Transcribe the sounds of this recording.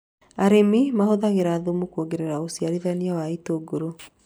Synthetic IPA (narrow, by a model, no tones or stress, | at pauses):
aɾemimahoðaɣeɾaːðomukuoɡeɾeɾaosiaɾiðaniawaitoɡoɾo